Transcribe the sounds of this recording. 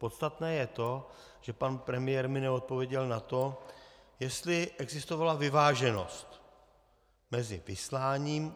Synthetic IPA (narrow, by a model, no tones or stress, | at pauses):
po̞t̪st̪at̪nɛːjɛt̪o̞ | ʒ̥ɛpanpɾɛmɪjɛːɾmɪnɛo̞t̪̚po̞vjɛɟɛlnat̪o̞ | jɛst̪lɪʔɛɡzɪst̪o̞valavɪvaːʒɛno̞̰st̪ | mɛzɪvɪslaːɲiːm